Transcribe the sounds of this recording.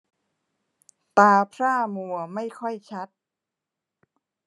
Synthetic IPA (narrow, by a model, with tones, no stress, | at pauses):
t̪aː˧pʰɾaː˥˩mu˨˩ɐma˥˩jkʰɔ˥˩jt͡ɕʰa˦˥t̪̚